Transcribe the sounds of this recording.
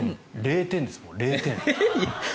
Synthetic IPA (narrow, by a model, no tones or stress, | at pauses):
ɾeːt̪ẽnd̪esɨmoɾeːt̪ẽn